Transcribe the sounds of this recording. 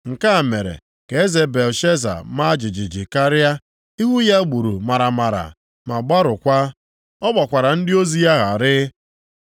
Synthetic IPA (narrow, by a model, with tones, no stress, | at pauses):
ŋ̩˨ka˦˨me˨ɾḛ˨ | ke˨e˦ze˨be˨lʃe˦za̰˨ma˦d͡ʒɪ˨d͡ʒɪ˨d͡ʒɪ˨ka˦ɾa˦ | i˦ɦu˦ja˦ɡ͡bu˨ɾu˨ma˨ɾa˨ma˨ɾa̰˨ | ma˨ɡ͡ba˦ɾʊ˨kʷa˦ | ɔ˦ɡ͡ba˨kʷa˨ɾa˨n̩˦dɪ˦o˦zi˦ja˦ɦa˨ɾɪ˦